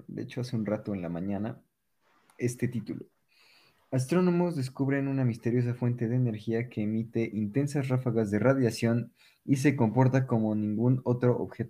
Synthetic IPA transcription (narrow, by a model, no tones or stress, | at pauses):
d̪ḛet͡ʃoase̞unrat̪o̞enlamãɲana | e̞st̪e̞t̪it̪ulo̰ | as̬t̪ɾo̞no̞mo̞zðe̞skuβɾe̞nunamist̪e̞ɾjo̞s̬afwe̞nt̪e̞ðeːne̞ɾxiake̞ːmit̪e̞ʔint̪e̞nsasrafaɣazðe̞raðjasjo̞n | is̬e̞ko̞mpo̞ɾt̪ako̞mo̞nĩŋɡuno̞t̪ɾo̞ʔo̰βxe̞t̪o